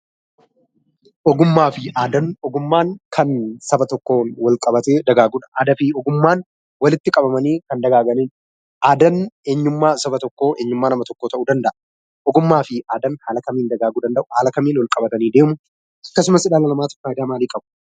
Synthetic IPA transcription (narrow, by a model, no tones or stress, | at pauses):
ʔɔɡʊmːaːfɪʔaːd̪ɐnɔɡʊmːaːŋkʰɐnsɐbɐt̪ɔkːo̞ːnwɐlkʼɐbɐt̪eːd̪ɐɡaːɡuːᶑɐ̥ʔaːd̪ɐfɪɔɡʊmːaːn | wɐlɪt̪ːɪkʼɐbɐmɐniːkɐnd̪ɐɡaːɡɐniːn | ʔaːd̪ɐne̞ːɲːʊmːaːsɐbɐt̪ɔkːoːʔe̞ːɲːʊmːaːnɐmɐt̪ɔkːo̞ːt̪ɐʔuːd̪ɐnd̪ɐʔɐ | ʔɔɡʊmːaːfɪʔaːd̪ɐnhaːlɐkɐmiːnd̪ɐɡaːɡuːd̪ɐnd̪ɐʔʊhaːlɐkɐmiːnwɐlkʼɐbɐt̪ɐniːd̪e̞ːmʊ | ʔɐkːɐs̬ʊmɐsɪᶑaːlɐlɐmaːt̪ɔ̥kːaːɪd̪aːmaːliːkʼɐbʊ̥